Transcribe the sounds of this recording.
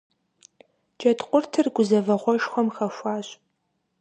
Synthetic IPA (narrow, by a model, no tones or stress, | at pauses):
d͡ʒʼɐtʰqʷʼʊrtʰɨrɡʷʊzɐvɐʁʷɔʃxʷɔmxɐʃʷaːɕʼ